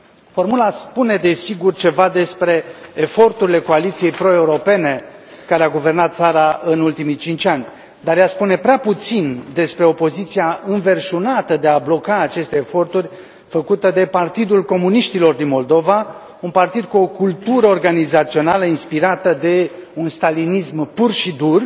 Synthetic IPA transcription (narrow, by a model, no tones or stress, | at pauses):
fo̞rmulaspune̞d̪e̞siɡurt͡ʃe̞vad̪e̞spɾe̞ːfo̞rt̪uɾile̞ko̞alit̪sije̞jpɾo̞e̞uɾo̞pe̞ne̞ | kaɾeaɡuve̞rnat̪̚t̪saɾaʔɨnult̪imit͡ʃint͡ʃʲanʲ | d̪arjaspune̞pɾeaput̪sind̪e̞spɾe̞o̞po̞zit̪sijaɨnve̞rʃunat̪əd̪e̞ablo̞kaːt͡ʃe̞st̪e̞ːfo̞rt̪urʲ | fəkut̪əd̪e̞part̪id̪ulko̞muniʃt̪ilo̞rd̪inmo̞ld̪o̞va | unpart̪id̪̚kuo̞kult̪uɾəorɡanizat̪sio̞naləinspiɾat̪əd̪e̞unst̪alinismpurʃid̪ur